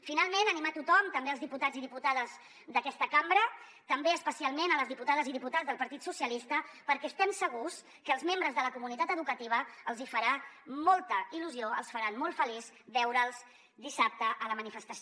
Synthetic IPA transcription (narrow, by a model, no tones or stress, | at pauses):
finalˠmenənimat̪ut̪ɔmt̪əmbeəlzðiput̪aziðiput̪aðəz | d̪əkɛst̪əkambɾə | t̪əmbeəspəsialˠmenələzðiput̪aðəziðiput̪azðəlˠpɐɾt̪it̪susjəlist̪əpəɾkɛəst̪ɛmsəɣus | kəːlˠzmembɾəzðələkumunit̪at̪əðukət̪iβ̞əəlˠzifəɾamɔlˠt̪əiluzioə̰lˠsfəɾanmɔlˠfəliz | βɛwɾəːlˠz | d̪isap̚t̪əʔələmənifəst̪əs